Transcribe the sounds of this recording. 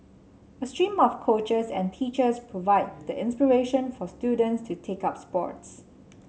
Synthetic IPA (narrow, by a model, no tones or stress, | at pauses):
əstɹĩmɔfkʰot͡ʃəsɛ̃ntʰit͡ʃəspʰɹovaɪd̚dəʔɪ̃nspiɹeʃə̃nfɔstjudə̃ntstʰutʰekap̚spɔ̰ts